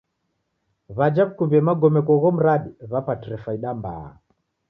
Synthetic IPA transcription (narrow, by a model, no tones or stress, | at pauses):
βad͡ʒaβukumbɛmaɡɔmɛkɔɣɔm̩ɾaɗiβapatiɾɛfaiɗamba̰a̰